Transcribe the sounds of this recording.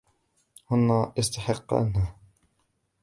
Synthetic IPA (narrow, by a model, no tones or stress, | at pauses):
hʊnːaːʔɑst̪aħɪqːɑ̰nha